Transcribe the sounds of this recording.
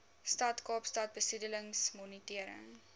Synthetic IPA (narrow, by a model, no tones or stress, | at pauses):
stɐtkɑːpstɐt̚bəsidələŋsmɔnitiəɾə̰ŋ